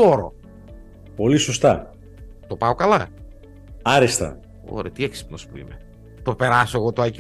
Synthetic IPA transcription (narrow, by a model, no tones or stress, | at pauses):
oɾo̰ | po̞lisost̪ɐ | t̪opɐokɐlɐ | ɐɾist̪ɐ̰ | o̰ɾet̪ieksi̥pnospuḭme | t̪opeɾɐsoeɣot̪oɐc